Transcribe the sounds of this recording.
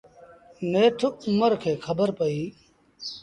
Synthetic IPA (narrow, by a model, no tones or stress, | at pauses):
neːʈʰmɐɾkʰeːkʰɐbəɾpɐiː